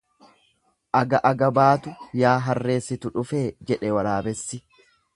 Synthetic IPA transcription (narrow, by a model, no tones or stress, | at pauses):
ʔɐɡɐʔɐɡɐbaːt̪ʊjaːɦɐrːe̞ːsːɪt̪ʊᶑʊfeːd͡ʒɛᶑɛwɐɾaːbɛsːɪ